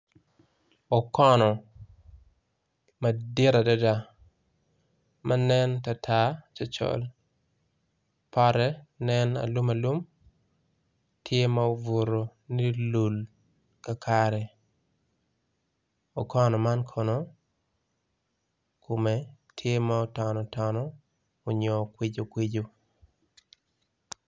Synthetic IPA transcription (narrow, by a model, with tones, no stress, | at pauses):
ɔ˨kɔ˦nɔ˨ | ma˨dɪ˦ɾa˨dɔ˦da | mʔa˦nɛ˦nta˨tʰat͡ʃa˦t͡ʃɔ̰˦l | paɾɛ˦nɛ˦na̰˨lu˦ma˨lu˦m | tʰje˦ma˨vo˨ɾoni˦lu˨l | ka˨kʰaɾɛ˨ | ɔ˨kʰɔ˦nɔ˨ma˦nkʰɔ˨no˦ | ko˨me˨ | tʰje˦ma˦ɔ˦tɔ˨nɔ˨tɔ˨nɔ˦ | o˨ɲɔ˨kwi˦d͡ʒo˨kwi˦d͡ʒo˦